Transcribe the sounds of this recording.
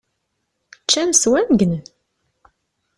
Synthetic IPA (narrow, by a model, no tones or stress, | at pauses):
t͡ʃːænswænɡn